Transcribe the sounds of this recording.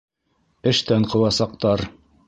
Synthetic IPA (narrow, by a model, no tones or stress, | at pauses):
ɘ̆ʃt̪æɴqɤ̆wɑsɑq̚t̪ɑɾ